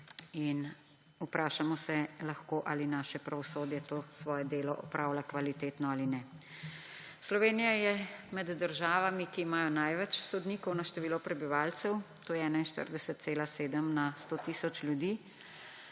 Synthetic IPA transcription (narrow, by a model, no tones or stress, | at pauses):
in | upɾʔaːʃamɔsɛlaxkoʔalinaːʃɛpɾaʋɔsoːd̪jɛt̪oːsʋɔːjɛd̪eːlɔʔɔpɾaːwlakʋalit̪eːt̪nɔaːlinɛ | slɔʋeːnijajɛmɛd̪ːəɾʒaːʋamikiːmaːjɔnajʋɛt͡ʃsɔd̪niːkɔwnaʃt̪ɛʋiːlɔpɾɛbiʋaːlt̪sɛw | t̪oːjɛɛːnainʃt̪ə̰ɾd̪ɛsɛt̪̚seːlaseːd̪əmnast̪oːt̪isɔt͡ʃljud̪iː